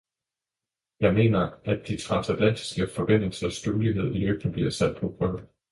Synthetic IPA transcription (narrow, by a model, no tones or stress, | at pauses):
jɑ̈ɪme̝̰ːnɐʔæd̥ːit͡sʰʁɑ̈sæd̥læn̰d̥i̥sɡ̥əfɒ̽b̥en̰l̩sɐsd̥øliɦe̝ð̞̰ˠiløɡ̥n̩b̥liɐsæd̥̚pʰɒ̽b̥ʁœː